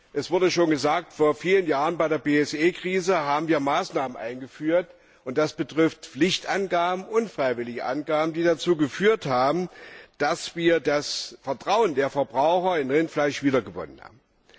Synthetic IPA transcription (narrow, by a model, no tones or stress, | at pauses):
ʔɛsv̥ʊɐdəʃoːnɡəzaːk̚tfoːɐfiːlənjaːʁənbaɪdeːɐbeːɛsʔeːkʁ̥iːzəɦaːbm̩viːɐmaːsnaːmənʔa̰ɪnɡəfyːɐt | ʔʊnt̚d̥asb̥ətʁ̥ɪftflɪçtʔanɡaːbm̩ʔʊnfʁ̥aɪvɪlɪɡəʔa̰nɡaːbm̩diːdat͡suːɡəfyːɐthaːbm̩d̥asv̥iːɐdasfɛɐtʁ̥aʊəndeːɐfɛɐbʁaʊxɐɪnʁɪntflaɪʃv̥iːdɐɡəvɔ̰nənha̰ːbm̩